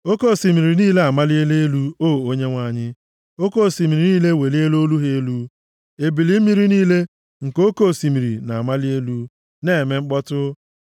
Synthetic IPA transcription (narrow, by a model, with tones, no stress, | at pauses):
o˦ko˦˨si˨mi˨ɾi˨niː˦le˦a˨ma˦li˦e˦le˦e˦lu˦oː˦˨o˦ɲe˦ŋʷa˨˦˨ɲɪ˦ | o˦ko˦˨si˨mi˨ɾi˨niː˦le˦˨we˨li˦e˦lo˦lu˦ɦe˦e˦lu˦ | e˨bi˨li˦mi˦ɾi˦niː˦le˦ | ŋ̩˨ko˦ko˦˨si˨mi˨ɾḭ˨na˨a˨ma˦li˦e˦lu˦ | ne˦˨me˦ŋ͡m̩˦k͡pɔ˦tʊ˦